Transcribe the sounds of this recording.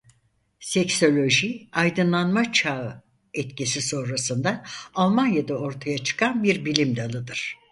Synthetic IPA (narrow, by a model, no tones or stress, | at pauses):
sɛcso̞lʲo̞ʒiajd̪ɯnlˠanmat͡ʃʰa | ɛt̪cisiso̞nɾasɯnd̪aalˠmanjad̪ao̞ɾt̪ʰajat͡ʃʰɯ̥kʰanbiɾbilʲimd̪alˠɯd̪ɯɾ̥